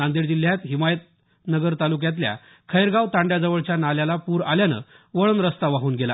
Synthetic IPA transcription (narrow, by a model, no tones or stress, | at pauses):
and̪iɾd͡ʑil̤ːjat̪ɦimajət̪̚ | nəɡəɾt̪aluk̬jãt̪̬lja̰ | kʰəjɾɡaʋt̪ãɳɖjad͡zəʋəɭt͡ɕjanaljalapuːɾaljanə̰ː | ʋəɭənɾəst̪aʋaɦuːnɡela̰